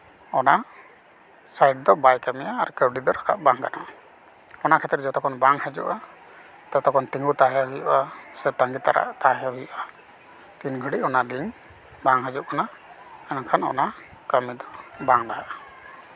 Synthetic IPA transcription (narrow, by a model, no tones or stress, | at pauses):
ɔna | sajɖ̚d̪ɔbajkamɛjaːɾkəwɖid̪ɔɾaka̰ʔbaŋkanɔ̰ʔ | ɔnaʔkʰɛt̪ɾɛd͡ʒɔt̪ɔkɔnbaŋhəd͡ʒṵʔa | t̪ɔt̪ɔkɔnt̪iŋɡut̪aɦaɦujuʔasɛt̪aŋɡit̪aɾa̰ʔt̪aɦɛaɦujuʔa | t̪inɡʱəɖiʔɔnaliŋ | baŋɦəd͡ʒuʔkʰana | ɛnakʰanɔ̰na | kəmid̪ɔbaŋɾaɦaʔa